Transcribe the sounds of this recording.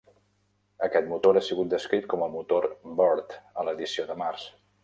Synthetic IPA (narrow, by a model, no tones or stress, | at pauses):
əkɛt̪̚mut̪oɾasiɣut̪̚d̪əskɾit̪̚kɔməlˠmut̪oɾbɔɾt̪ələðisioðəmars